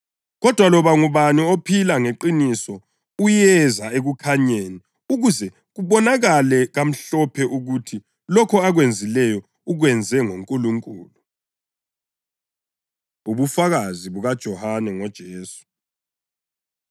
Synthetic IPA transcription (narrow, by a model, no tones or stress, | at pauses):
ɣɔd̥ʱwalɔβaŋuβaniopʰilaŋeǃinisɔ | ujɛzaeɣukʰaɲeːni | uɣuzɛ | ɣuβɔnaɣalɛɣam̩ɬɔpʰɛʔuɣutʰi | lɔkʰɔaɣwend͡zʱilɛjɔ | uɣwɛnd͡zʱɛŋoŋkʼuluŋkʼṵːlu | uβufaɣaziβuɣad̥ʒ̥ʱɔhanɛŋɔd̥ʒ̥ʱeːsu̥